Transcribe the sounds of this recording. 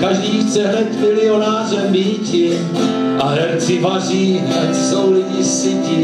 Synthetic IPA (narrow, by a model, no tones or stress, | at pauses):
kaʒdiːxt͡sɛɦnɛt̪fɪlɪonaːrɛmviːcɪ | ʔaɦɛɾt͡sɪvariːɦnɛt̪sowlɪɟɪsɪcɪ